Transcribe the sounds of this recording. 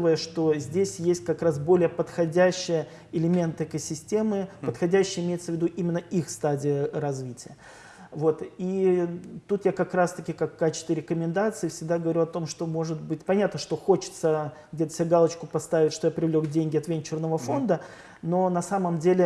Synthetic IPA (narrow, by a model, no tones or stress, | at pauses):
vəjəʂt̪o̞zʲdʲesʲjesʲtʲkɐkɾasbo̞lʲɪjəpət̪xɐdʲæɕːɪjə | ɪlʲɪmʲe̞nt̪ɨɛkəsʲɪsʲtʲe̞mɨppət̪xɐdʲæɕːɪjəɪmʲejɪt̪səvʲɪd̪uʔimʲɪnːəixst̪adʲɪjəɾɐzvʲitʲɪjə | vo̞t̪i | t̪ut̪jakɐkɾast̪ɐkʲɪkakːat͡ɕɪ̥st̪vʲɪɾʲɪkəmʲɪnd̪at̪sɨɪfsʲɪɡ̚d̪aɡəvɐɾʲuɐt̪o̞mʂt̪omo̞ʐɨt̪bɨtʲpɐnʲat̪nəʂt̪o̞xo̞t͡ɕɪ̥t̪səɡdʲet̪ə̥sʲaɡalˠət͡ɕkʊpɐst̪avʲɪtʲʂt̪o̞japɾʲɪvlʲo̞kdʲenʲɡʲɪɐt̪vʲenʲt͡ɕɪrnəvəfo̞nd̪ə | no̞nɐsaməmdʲelʲɪ